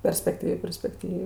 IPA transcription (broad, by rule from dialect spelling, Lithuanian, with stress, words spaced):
pʲɛrʲsʲpʲɛkˈtʲiːʋʲeː pʲɛrʲsʲpʲɛkˈtʲiːʋʲeː